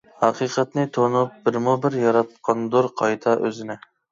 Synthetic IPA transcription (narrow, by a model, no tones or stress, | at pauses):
hɑqiːqʰɛt̪nɪt̪ʰonup̚bɪɾmubɪɾjɑɾɑt̪̚qʰɑnd̪oɾqʰɑjt̪ʰɑʔøzɪnɪ